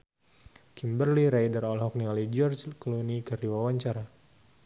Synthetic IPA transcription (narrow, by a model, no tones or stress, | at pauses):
kimbərliɾajdəɾɔlɦɔk̚nialid͡ʒɔrd͡ʒklunikɨrdiwawaɲt͡ʃaɾa